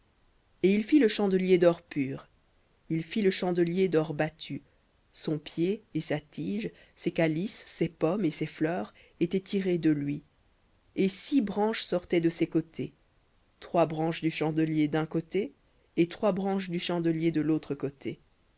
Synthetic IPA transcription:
eilfiləʃɑ̃d̪əljed̪ɔʁpyːʁ | ilfiləʃɑ̃d̪əljed̪ɔʁbat̪ʰy | sɔ̃pjeesat̪ʰiʒ | sekalisːepɔmeseflœːʁ | et̪ɛt̪ʰiʁed̪əlɥi | esibʁɑ̃ʃsɔʁt̪ɛd̪əsekot̪ʰe | t̪χwabʁɑ̃ʃd̪yʃɑ̃d̪əljed̪ɛ̃kot̪eː | t̪χwabʁɑ̃ʃd̪yʃɑ̃d̪əljed̪əlot̪χəkot̪ʰe

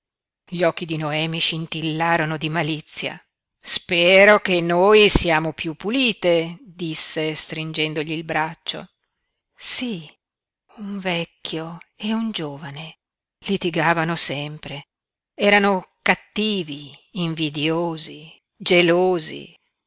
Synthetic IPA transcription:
ʎɔkːid̪inoɛːmiʃint̪ilːaːɾonod̪imalit̪sːja̰ | spɛːɾokenːoːjsiaːmopjupːuliːt̪ed̪isːest̪ɾind͡ʒɛnd̪oʎiːlbɾat͡ʃːo̰ | si | uɱvɛkːjoeund͡ʒoːvane | lit̪iɡaːvanosɛmpɾe | ɛːɾanokat̪ːiːviːɱvid̪joːzi | d͡ʒeloːzḭ

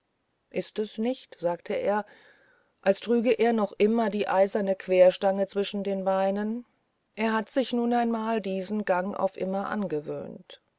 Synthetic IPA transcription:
ʔɪstɛsnɪçtz̥aːktʰəʔḛːɐ | ʔalstʁ̥yːɡəʔeːɐnɔχʔɪmɐdiːʔaɪzɐnəkv̥eːɐʃtaŋət͡sv̥ɪʃn̩deːnbaɪnən | ʔeːɐɦatz̥ɪçnuːnaɪnmaːldiːzn̩ɡaŋʔa̰ʊfʔɪ̰mɐʔa̰nɡəvø̰ːnt

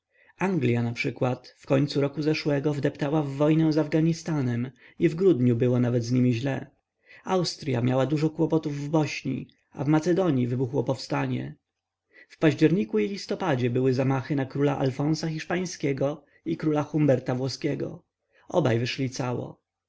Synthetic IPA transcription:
aŋɡlʲjanapʂɘkwat̪fkɔɲʲt̪suɾɔkuzɛʂwɛɡɔvd̪ɛpt̪awavːɔjnɛw̃zavɡaɲist̪anɛm | ivɡɾud̪ɲubɘwɔnavɛd̪zɲimʲiʑlɛ | awst̪ɾja̰mʲjawad̪uʐɔkwɔpɔt̪uvːɔɕɲḭ | a̰vmat̪sɛd̪ɔɲivɘbuxwɔpɔfst̪aɲɛ̰ | fpaʑd͡ʑɛɾɲikuilʲist̪ɔpad͡ʑɛbɘwɘzamaxɘnakɾulaʔa̰lfɔ̃w̃saxʲiʂpaj̃skʲɛɡɔ | ikɾulaxumbɛɾt̪avwɔskʲɛɡɔ̰ | ɔbajvɘʂlʲit̪sawɔ̰

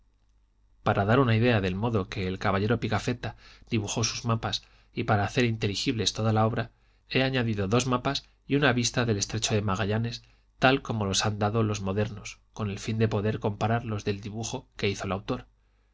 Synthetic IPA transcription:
paɾaðaɾunaiðe̞aðe̞lmo̞ðo̞ke̞ːlkaβaʎe̞ɾo̞pikafe̞t̪ad̪iβuxo̞suzmapas | ipaɾaːθe̞ɾint̪e̞lixiβle̞st̪o̞ðalao̞βɾa | e̞aɲaðiðo̞ðo̞zmapas | iunaβist̪aðe̞le̞st̪ɾe̞t͡ʃo̞ðe̞maɣaʎane̞s | t̪alko̞mo̞lo̞sand̪aðo̞lo̞zmo̞ðe̞ɾno̞sko̞ne̞lfind̪e̞po̞ðe̞ɾko̞mpaɾaɾlo̞zðe̞ld̪iβuxo̞ke̞iθo̞lawt̪o̞ɾ

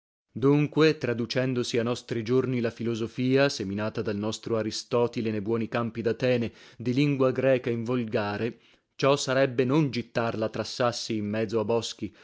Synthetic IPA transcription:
d̪uŋkwet̪ɾad̪ut͡ʃɛnd̪osianɔst̪ɾid͡ʒornilafilozofiːaseminaːt̪ad̪alnɔst̪ɾoaɾist̪ɔːt̪ilenejbwɔːnikampid̪at̪ɛːned̪iliŋɡwaɡɾɛːkaiɱvolɡaːɾe | t͡ʃɔsːaɾɛbːenond͡ʒit̪ːarlat̪ɾasːasːiːmːɛd̪zoabːɔsk̟i

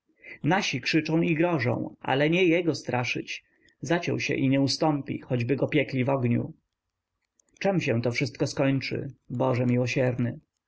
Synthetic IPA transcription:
naɕikʂɘt͡ʂɔ̃w̃iɡɾɔʐɔ̰̃w̃ʔa̰lɛɲɛjɛɡɔst̪ɾʔaʂɘ̰t͡ɕ | zat͡ɕɔ̰w̃ɕɛ̰ʔiɲɛust̪ɔmpʲḭxɔd͡ʑbɘɡɔpʲjɛklʲivɔɡɲṵ | t͡ʂɛmɕɛ̃t̪ɔfʂɘst̪̚kɔskɔɲt͡ʂɘ̰bɔʐɛmʲiwɔɕɛɾnɘ

